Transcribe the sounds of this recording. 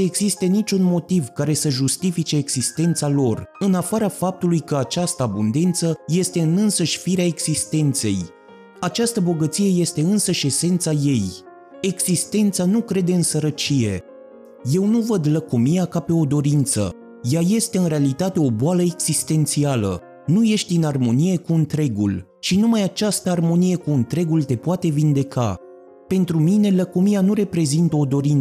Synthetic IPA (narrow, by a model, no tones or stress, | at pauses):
eɡzist̪enit͡ʃʲunmo̞t̪ivkaɾe̞səʒust̪ifit͡ʃe̞ːɡz̥ist̪e̞nt̪salo̞rɨnafaɾafap̚t̪ulujkəat͡ʃast̪əabund̪e̞nt̪səje̞st̪e̞ɨnɨnsəʃʲfiɾeaeɡz̥ist̪e̞nt̪se̞̰j | at͡ʃast̪əbo̞ɡət̪sije̞je̞st̪e̞ɨnsəʃe̞se̞nt̪saje̞j | e̞ɡz̥ist̪e̞nt̪sanukɾe̞d̪e̞ɨnsəɾət͡ʃije̞̰ | je̞wnuvəd̪ləkomijakape̞o̞d̪o̞ɾint̪sə̰ | jaje̞st̪e̞ɨnɾe̞alit̪at̪e̞o̞boaləeɡz̥ist̪e̞nt̪sialə̰ | nuje̞ʃt̪ʲɨnarmo̞nije̞kuɨnt̪ɾe̞ɡṵl | t͡ʃinumajat͡ʃast̪əarmo̞nije̞kuɨnt̪ɾe̞ɡult̪e̞poat̪e̞vind̪e̞ka̰ | pe̞nt̪ɾumine̞ləkomianuɾe̞pɾe̞zint̪əo̞d̪o̞ɾin